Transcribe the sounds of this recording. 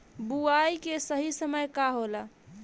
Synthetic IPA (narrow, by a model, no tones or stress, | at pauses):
buajkesəɦisəməjkaɦola